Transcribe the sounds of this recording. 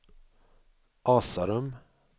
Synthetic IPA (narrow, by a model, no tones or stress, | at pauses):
ʔɑːsaɾɵm